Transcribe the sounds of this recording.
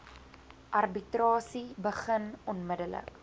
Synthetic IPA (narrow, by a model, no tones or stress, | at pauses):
ʔɐrbitrɑːsibəχənɔnmədələ̰k